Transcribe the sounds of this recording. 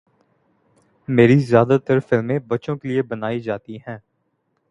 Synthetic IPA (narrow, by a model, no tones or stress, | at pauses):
meːɾizjaːd̪at̪əɾfɪlmẽːbɐtːʃõːkeliebənaːid͡ʒaːt̪iɦɛ̃ː